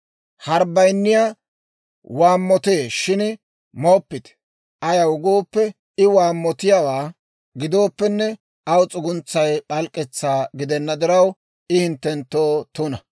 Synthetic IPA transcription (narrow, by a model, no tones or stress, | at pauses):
hɐɾbɐjnːɪja | waːmːɔt̪eːʃɪn | mopːɪt̪ | ʔɐjɐwʊɡo̞ːpːɛ | ɪwaːmːɔt̪ɪjawaː | ɡɪd̪o̞ːpːɛnːɛ | ɐwt͡sʼʊɡʊnt͡sːɐjpɐlkʼːɛt͡sːaːɡɪd̪ɛnːɐd̪ɪɾɐw | ʔɪhɪnt̪ːɛnt̪ːoːt̪ʊnɐ